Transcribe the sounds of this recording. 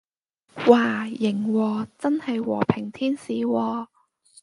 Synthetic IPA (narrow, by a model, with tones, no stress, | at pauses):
waː˨˩jɪ˨˩ŋwɔː˧t͡sɐ˥nhɐ˨jwɔ̰ː˨˩pʰɪ˨˩ŋt̪ʰiː˥nsiː˨˦wɔː˧